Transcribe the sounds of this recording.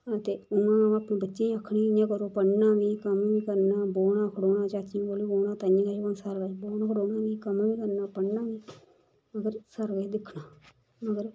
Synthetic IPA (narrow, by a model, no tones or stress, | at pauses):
t̪eːʊnãːãəpnẽːbətːʃẽːəkʰɽiːnãːkəɾoːpəɳnaːʋiːkəmʋĩːkəɾnaːboːnãːkʰəɽoːnãːt͡ʃaːt͡ʃioːliːboːnãːt̪ajĩːkaːt͡ʃəsəɾʋəːt͡ʃboːnãkʰəɽoːnaːʋiːkəmʋĩːkəɾnaːpəɳnaːʋiː | əɡəɾsəɾʋəd̪ɪkʰːnaː | məɡəɾ